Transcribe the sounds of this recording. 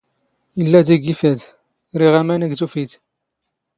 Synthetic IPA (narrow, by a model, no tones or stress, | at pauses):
əlːæd̪iɡifæd̪ | ɾiʁæmænæɡt̪ufit̪